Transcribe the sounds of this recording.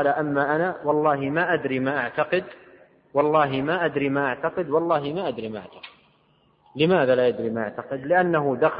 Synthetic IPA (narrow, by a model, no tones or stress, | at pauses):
laʔamːaʔanawɑlˤːɑːɦimaʔad̪ɾiːmaːʔaʕt̪aqɪd̪ | wɑlˤːɑːɦimaʔad̪ɾiːmaːʔaʕt̪aqɪd̪wɑlˤːɑːɦɪmaʔad̪ɾimaːʔa̰ʕt̪ḁqɪd̪̚ | lɪmaːðalaːjad̪ɾiːmaːʔaʕt̪aqɪd̪lɪʔanːaɦʊd̪ax